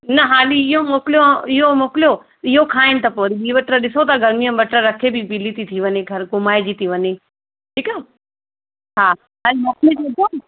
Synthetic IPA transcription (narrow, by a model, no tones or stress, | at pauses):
nɐɦaːliɪɦomoːkɪljõɪɦomoːkɪlijo | ɪɦokʰaːɪnɪ̆t̪ɐpoːɾibʱiːʋɐʈɾəɗɪsot̪ɐɡʱɐɾmiːə̃bɐʈɾəɾɐkʰebʱipilit̪it̪ʰiʋɐɲeɡʱɐɾkʊmaːed͡ʑit̪iʋɐɲe | ʈʰiːkaː | ɦaː | ɐɾemoːklẽtot̪o